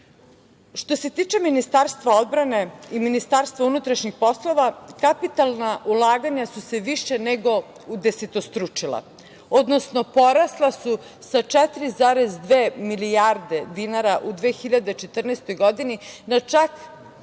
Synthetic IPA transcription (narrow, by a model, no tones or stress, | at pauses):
ʃt̪o̞se̞t̪iːt͡ʃe̞minist̪aɾst̪ʋao̞d̪bɾane̞iminist̪aːɾst̪vaunut̪ɾaʃɲixpo̞slˠo̞ʋakapit̪alˠnaʔulˠaːɡaɲasuse̞ʋiʃeneɡo̞ | ud̪eset̪o̞st̪ɾut͡ʂilˠa̰ | o̞d̪nosnopoɾaslˠasu | sat͡ʂɛt̪ɾizaːɾezd̪ʋeːmiliaɾd̪e̞d̪inaɾaʔud̪ʋeːxiʎad̪e̞t͡ʃet̪r̩nast̪o̞jɡod̪ininat͡ʂak